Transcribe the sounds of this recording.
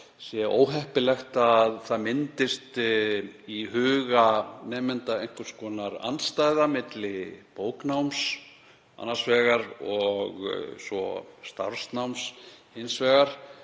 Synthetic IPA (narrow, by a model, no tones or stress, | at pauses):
sjɛʔo̰ːwɦɛhpɪlɛxt̪aðθaðmɪnt̪ɪst̪ | iɦʏːɣanɛːmɪnt̪aejŋ̥kvɪɾ̥skʰɔːnaɾa̰nst̪aːjðamɪt̪lɪpoːwknawms | a̰nːasvɛːɣaɾɔɣ̰svɔ̰st̪aɾ̥snawmshɪnsvɛːɣaɾ̥